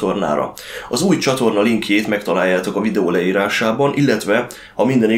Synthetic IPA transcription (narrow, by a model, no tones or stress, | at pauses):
o̞rna̰ːɾɒ̰ | ɒzuːjt͡ʃɒt̪o̞rnɒliŋkjeːt̪mɛkt̪ɒlaːjːaːt̪okɒvid̪ɛoːlɛiːɾaːʃaːbɒnʔilːɛt̪ʋɛ | hɒmind̪ɛni